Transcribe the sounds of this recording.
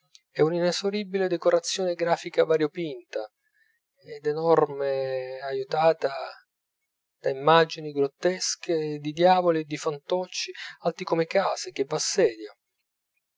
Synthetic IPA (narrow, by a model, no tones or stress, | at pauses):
ɛuninesoɾibiled̪ekoɾat̪sːjoːneɡɾaːfikavaɾjopint̪a | ɛd̪enɔrmeajut̪aːt̪a | d̪̥aimːad͡ʒiniɡɾot̪ːɛsked̪id̪jaːvolied̪ːifant̪ɔt͡ʃːialt̪ikomekaːsek̟evːasːɛːd̪ja